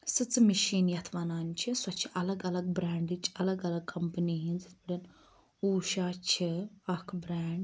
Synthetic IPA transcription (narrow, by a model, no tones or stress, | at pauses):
sɨt͡smiʃiːnjɐt̪ʰʋɐnaːnt͡ʃʰiswɐt͡ʃʰiʔɐlɐɡɐlɐɡ̚bɾaːɳɖit͡ʃɐlɐɡɐlɐɡ̚kʰɐmpəniɦind͡zɨt̪ʰbiɽɐn | uːʃaːt͡ʃʰiɐkʰbɾaːɳɖ